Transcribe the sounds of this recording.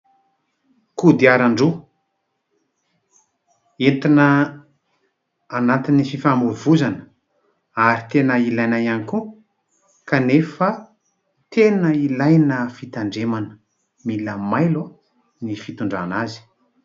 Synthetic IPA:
kud̪iaɾaɳɖ͡ʐu | ent̪inə | anat̪inififamuvuzanə̥ | aɾit̪enəilajnajaniku | kanefə | t̪ʰenəilajnəfit̪aɳɖ͡ʐemanə̥ | miləmajlu | nifit̪uɳɖ͡ʐanazi̥

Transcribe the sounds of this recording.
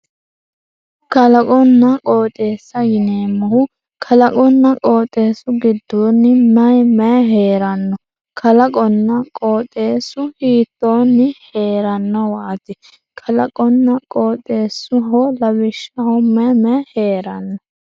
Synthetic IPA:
kɐlɐkʼɔnːɐkʼoːt̪ʼeːsːɐjɪneːmːɐhʊ | kʰɐlɐkʼɔnːɐkʼoːt̪ʼːe̞ːsʊɡɪd̪ːoːnːɪmɐjmɛɦeːɾɐnːɔ | kʰɐlɐkʼɔnːɐkʼoːt̪ʼe̞ːsʊhiːt̪ːoːnːɪhe̞ːɾɐnːɔwaːt̪ɪ | kʰɐlɐkʼɔnːɐkʼoːt̪ʼːe̞ːsʊɦɔlɐbɪʃːɐhʊmɛmɛheːɾɐnːɔ

